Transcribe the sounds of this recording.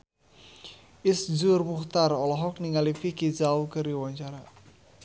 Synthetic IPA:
ɪsd͡ʒʊrmuht̪aɾɔlɔɦɔk̚niŋalifikizawkəriwaɲt͡ʃaɾa

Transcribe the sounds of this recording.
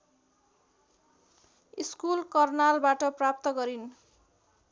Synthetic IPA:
iskulkʌrnalbaʈʌprap̚t̪ʌɡʌɾin

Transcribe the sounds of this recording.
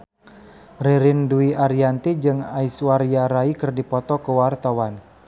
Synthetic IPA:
riɾinduiaɾiant̪id͡ʒɨŋaiswaɾjaɾaikɨrdipɔt̪ɔkəwart̪awan

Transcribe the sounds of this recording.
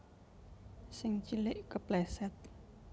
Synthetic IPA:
sɪŋt͡ʃilɪʔkəplɛsɛt̪̚

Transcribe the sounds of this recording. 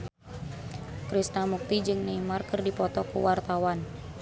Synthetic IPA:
kɾisnamuk̚t̪id͡ʒɨŋnimarkɨrdipɔt̪ɔkṵwart̪awan

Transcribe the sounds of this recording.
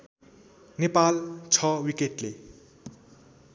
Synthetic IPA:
nepalt͡sʰʌwikeʈle

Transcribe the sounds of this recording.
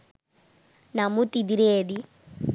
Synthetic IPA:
namut̪id̪iɾeːd̪i

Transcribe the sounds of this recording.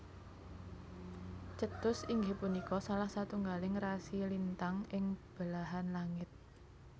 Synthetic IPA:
t͡ʃət̪ʊsiŋɡɪpunikɔsalahsat̪uŋɡalɪŋrasilint̪aŋɪŋb̥əlaɦanlaŋɪt̪̚

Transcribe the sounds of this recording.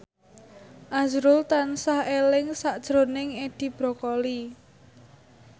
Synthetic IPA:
ʔazɾʊlt̪ansahelɪŋsaʔd̥ʒ̥ɾo̤nɪŋed̪̥i̤b̥ɾokɔli

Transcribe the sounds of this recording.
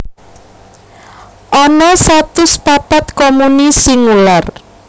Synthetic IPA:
ʔɔnɔsat̪ʊspapat̪̚kɔmunisiŋular

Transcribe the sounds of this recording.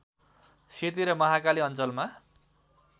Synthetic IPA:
set̪iɾʌmʌɦakaliʌnt͡sʌlma

